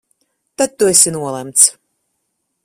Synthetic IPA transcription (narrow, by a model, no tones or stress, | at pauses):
t̪at̪̚t̪ːuɛsʲinuɔlˠɛmt̪s